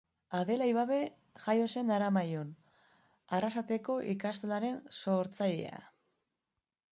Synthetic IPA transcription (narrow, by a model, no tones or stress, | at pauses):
aðe̞lajβaβe̞ | ʝajo̞se̞nd̪aɾamajon | arasat̪e̞ko̞ʔikast̪elaɾe̞nso̞ɾt͡saʎḛa̰